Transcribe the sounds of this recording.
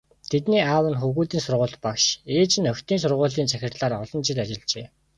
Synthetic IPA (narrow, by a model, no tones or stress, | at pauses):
t̪ʰet̪niːaːwə̆nxuɣuːt̪iːnsʊrʁʊːɮt̪pakʃeːt͡ɕɪ̆nœwt̪iːns̬ʊrʁʊːɮiːnt͡sʰæxʲɪ̆rɮaːɾɔɮɞ̆nt͡ɕʰɪ̆t̪at͡ɕɪ̆ɮt͡ɕeː